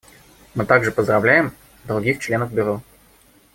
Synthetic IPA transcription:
mɨt̪aɡʐɨpəzd̪ɾavlʲæjɛm | d̪ɾʊɡʲixt͡ʃlʲenəvbʲʊɾɔ

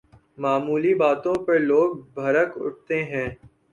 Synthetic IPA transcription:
maːmuːlibaːt̪õpɐɾloːɡ̚bʱɐɾəkʊ̰ʈ̚t̪eɦɛ̃ː

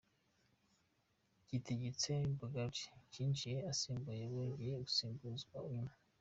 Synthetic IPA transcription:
ɟ̥iteɟet͡sebaɡabɟi̥ɟiːnt͡ʃijeasiːmbujeβweːɲɡijeɡusiːmbuzɡwauɲuma

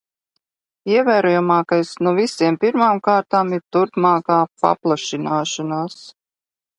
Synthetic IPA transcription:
iɛvæːɾɔjamaːkajsnɔvisiɛmpiɾmaːmkaːɾt̪aːmiɾt̪uɾpmaːkaːpa̰plˠaʃinaːʃɔnaːs

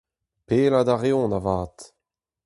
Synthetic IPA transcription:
peːlad̪aʁeɔ̃navaːt̪

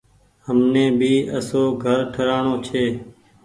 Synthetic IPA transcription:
ɦəmnẽːbʱiːəsoːɡʱəɾʈʰəɾaːɳoːt͡ʃʰeː

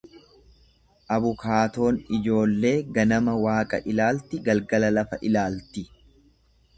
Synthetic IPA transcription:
ʔɐβʊkaːt̪o̞ːnɪd͡ʒo̞ːlːe̞ːɡɐnɐmɐwaːkʼɐ̰ʔɪlaːlt̪ɪɡɐlɡɐlɐlɐfɐʔɪlaːlt̪ɪ

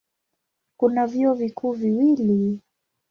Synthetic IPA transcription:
kunavjiɔvikʰuːviwili

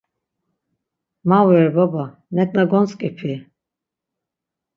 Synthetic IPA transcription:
mawɛɾbaba | nɛkʼnaɡɔnt͡sʼkʼipʰi

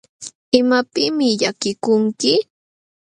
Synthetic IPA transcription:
ɪmapɪmɪʎakɪkʊŋkɪ

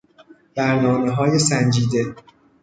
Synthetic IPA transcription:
b̪̥æɾnɒːmeɦɒːjesænd͡ʒiːd̪e̞

